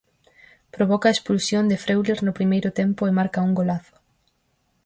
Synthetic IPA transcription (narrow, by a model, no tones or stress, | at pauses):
pɾoβɔkɐespulsjond̪ɪfɾewleɾnʊpɾimejɾʊt̪empʊemaɾkɐuŋɡolaθʊ̥